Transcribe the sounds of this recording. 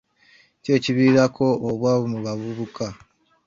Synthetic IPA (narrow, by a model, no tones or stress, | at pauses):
ce̞ːciβiːɾakʰo̞ːβwaβomuβavuβuka